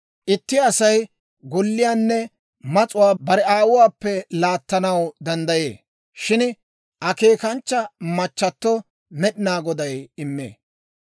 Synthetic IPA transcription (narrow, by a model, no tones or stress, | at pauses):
ʔɪt̪ːɪɐsɐj | ɡɔlːɪjaːnːɛ | mɐt͡sʼʊwaːbɐɾɛaːwʊwaːpːɛlaːt̪ːɐnɐwd̪ɐnd̪ɐjeː | ʃɪn | ʔɐke̞ːkɐnt͡ʃːɐmɐt͡ʃːɐt̪ːɔ | mɛɗɪnaːɡɔd̪ɐjɪmːḛː